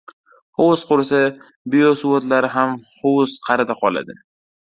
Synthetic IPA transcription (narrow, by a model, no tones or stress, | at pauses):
howʊsqʊɾsa | biosuwot̪laɾɪɦamhowzqʰɑɾɪd̪aqʰɒla̰d̪ɪ